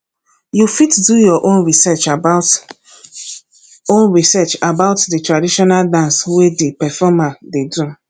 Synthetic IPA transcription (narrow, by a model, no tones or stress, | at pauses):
jufitdujɔʔõnɹisɛt͡ʃabat | õnɹisɛt͡ʃabaʊtditɹadiʃɔnaldãnswedepɛfɔmadedu